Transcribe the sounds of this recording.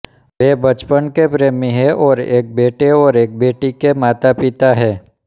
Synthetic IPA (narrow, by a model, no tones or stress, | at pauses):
ʋeːbət͡ʃpənkepɾeːmeɦɛʔɔːɾeːk̚beːʈeɔːɾeːk̚beːʈikemaːt̪apɪt̪aɦɛː